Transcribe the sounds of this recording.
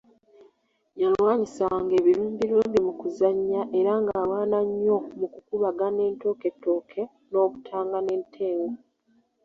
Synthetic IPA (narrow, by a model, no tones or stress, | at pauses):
jalwaːɲisaŋɡe̞ːβiluːmbiluːmbimukuzaɲːaʔe̞ɾaŋɡaːlwaːnaɲːo̞mukukuβaɡane̞ːnto̞ːke̞tːo̞ːkʰe̞ | no̞ːβutʰaːŋɡane̞ːntʰe̞ːwo